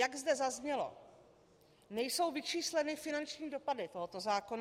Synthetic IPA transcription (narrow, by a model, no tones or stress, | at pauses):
jaɡzdɛzazɲɛlo̰ | nɛjso̞wvɪt͡ʃiːslɛnɪfɪnant͡ʃɲiːdo̞padɪt̪o̞ɦot̪o̞zaːkon